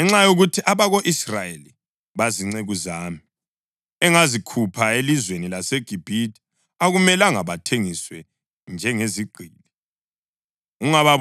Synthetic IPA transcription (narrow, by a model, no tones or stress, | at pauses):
ɛŋ͡ǁajoɣutʰiʔaβaɣoʔisrajeli | βaziŋ͡ǀeɣuzaːmi | ɛŋazikʰupʰaelizwenilaseɡ̥ʱib̥ʱidʼi̥ | aɣumɛlaŋaβatʰeŋiswɛ | nd͡ʒʱɛŋeziɡ͡ǀʱiːli | uŋaβa